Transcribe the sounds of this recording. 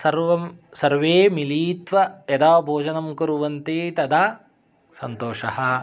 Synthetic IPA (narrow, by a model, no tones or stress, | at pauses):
sɐɾʋɐmsɐɾʋeːmiliːt̪ʋɐed̪aːbʱoːd͡ʒɐnɐmkuɾuʋɐnt̪eːt̪ɐd̪aː | sɐnt̪oːʂɐhɐ